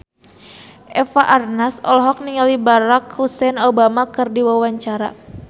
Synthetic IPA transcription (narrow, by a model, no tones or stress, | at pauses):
ʔɛfaʔarnasɔlɦɔk̚niŋalibaɾakhusɛnobamakɨrdiwawaɲt͡ʃaɾa̰